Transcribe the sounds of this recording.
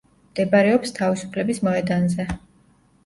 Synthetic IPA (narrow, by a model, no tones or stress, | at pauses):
md̪̥ɛbaɾɛɔpst̪ʰavisu̥pʰlɛbismɔɛd̪anzɛ